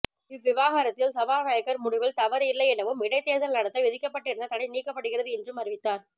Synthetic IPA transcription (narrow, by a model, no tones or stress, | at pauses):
ɪʋːɪʋaːɣaːɾɐt̪ːɪlsɐʋaːʋɐjɐkːɐɾmʊɽɪʋɪlt̪ɐʋɐɾɪlːɐɪɛnɐʋɯmɪɽɐɪt̪ːeːðɐnɐlɐɽɐt̪ːɐɪʋɛðɪkːɐpːɐʈːɪɾɯnd̪ɐt̪ɐɽɐɪniːkːɐpːɐɽɯɣɪrɐðɯɛndrɯmɐrɪʋɪt̪ːaːɾ